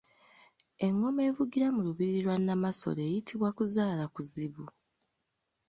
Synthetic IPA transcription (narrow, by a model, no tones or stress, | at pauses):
e̞ŋːo̞me̞ːvuɡiɾamuluβiɾilwanːamaso̞̰le̞ːjitʰiβwakuzaːlakuziβu